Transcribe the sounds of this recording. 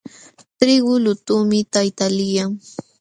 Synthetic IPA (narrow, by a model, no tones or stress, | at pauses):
t̪ɾɪɢʊlʊt̪umɪt̪ajt̪alɪjaŋ